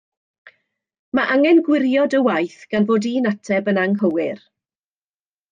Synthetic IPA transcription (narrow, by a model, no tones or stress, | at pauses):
maʔaŋɛnɡwɪɾjɔdəwajθɡ̥anvoːdinatʰɛbənaŋɦəwɪr